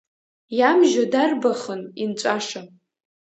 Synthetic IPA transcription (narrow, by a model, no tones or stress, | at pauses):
jamʒadarbaχənint͡ʃʷʼaʂa